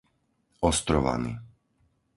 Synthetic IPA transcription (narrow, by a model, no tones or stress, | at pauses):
ɔst̪ɾɔʋa̰nḭ